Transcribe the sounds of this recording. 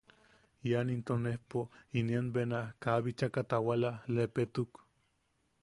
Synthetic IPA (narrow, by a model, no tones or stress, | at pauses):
janint̪onehpoinianbenahkaβit͡ʃakat̪awalalepet̪uk